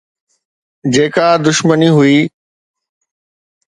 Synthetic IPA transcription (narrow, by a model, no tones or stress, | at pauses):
d͡ʑeːkad̪ʊʃməniɦʊiː